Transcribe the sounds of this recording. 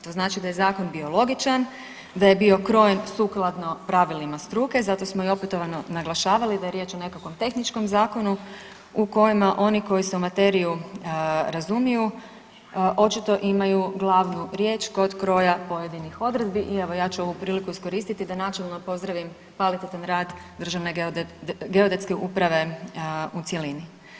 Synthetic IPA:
t̪o̞ːznaːt͡ʃid̪ajezaːko̞nbio̞lˠo̞ɡit͡ʃan | d̪ajebio̞kɾo̞jensuːklˠad̪no̞pɾaʋilimast̪ɾuːke̞zat̪o̞smo̞io̞pet̪o̞ʋano̞naɡlˠaʃaːʋalid̪aje̞ɾje̞ːt͡ʃo̞ne̞kakʋo̞mt̪e̞xnit͡ʃko̞mzaːko̞nu | uko̞jimaʔo̞niko̞jiseumat̪e̞ɾiju | ɾazumiju | ʔo̞t͡ʃit̪o̞ʔimajuɡlˠaʋnuɾje̞ːt͡ʃko̞d̪kɾo̞japo̞je̞d̪inixo̞d̪ɾe̞d̪biʔieʋo̞jaːt͡ʃuo̞ʋupɾiːlikuisko̞ɾiːst̪it̪id̪anat͡ʃe̞lˠno̞po̞zd̪ɾaʋim | kʋalit̪et̪anɾaːd̪d̪r̩ʒaʋne̞ | ɡe̞od̪et̪skeʔṵpɾaʋe̞ | ut̪sʲje̞lini

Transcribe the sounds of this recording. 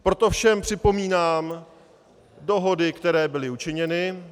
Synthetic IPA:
pɾo̞t̪ofʃɛmpr̝̥ɪpo̞miːnaːm | doɦo̞dɪkt̪ɛɾɛːbɪlɪut͡ʃɪɲɛnɪ

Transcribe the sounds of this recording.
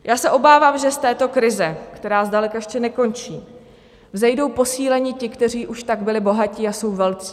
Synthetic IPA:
jʔaːsɛʔo̞baːvaːmʒɛst̪ɛːt̪o̞kɾɪzɛkt̪ɛɾaːzdalɛkaɛʃcɛnɛko̞nt͡ʃiː | vzɛjdo̞wpo̞siːlɛɲicɪkt̪ɛr̝iːʔuʃt̪aɡbɪlɪbo̞ɦaciːaso̞wvɛlt͡si̥ː

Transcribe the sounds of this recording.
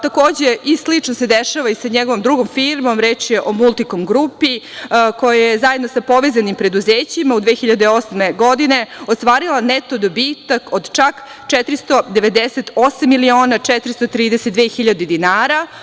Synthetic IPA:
t̪akoːd͡ʑeʔislit͡ʂnosed̪eʃaʋaisaɲeɡoʋomd̪ɾuɡomfiːɾmo̞mɾeːt͡ʃjeʔomulˠt̪ikomɡɾupiko̞jajezajed̪nosapo̞ʋezanimpɾe̞d̪uzeːt͡ɕimaud̪ʋexiʎad̪eo̞smeɡo̞d̪ine̞ost̪ʋaːɾilˠanet̪o̞d̪obiːt̪akod̪t͡ʃak | t͡ʃɛt̪ɾist̪o̞d̪eʋe̞d̪eset̪osamːilio̞ːnat͡ʂɛt̪ɾist̪ot̪ɾiːd̪eset̪d̪ʋeːxiʎad̪ed̪inaːɾa

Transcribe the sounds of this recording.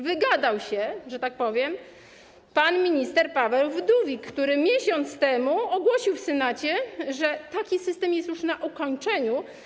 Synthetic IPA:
vɘɡad̪awɕɛʐɛt̪ak̚pɔvʲjɛm | panmʲiɲist̪ɛɾpavɛwvd̪uvʲikːt̪uɾɘmʲjɛɕɔnt̪st̪ɛmuɔɡwɔɕiwfsɛnat͡ɕɛʐɛt̪akʲisɘst̪ɛmjɛst̪juʂnaʔɔkɔɲt͡ʂɛɲu

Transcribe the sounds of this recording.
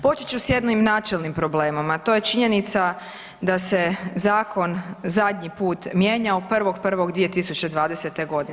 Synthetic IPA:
po̞t͡ʃet͡ʃusje̞d̪noimnaːt͡ʃelnimpɾo̞bleːmomat̪o̞ːje̞t͡ʃiɲe̞nit̪sa | d̪ase̞zaːkʰo̞nzad̪ʲɲipuːt̪mje̞ːɲaupr̩ʋo̞ɡpr̩ʋo̞ɡd̪ʋijet̪isut͡ɕe̞d̪ʋaːd̪e̞se̞t̪e̞ɡo̞d̪in

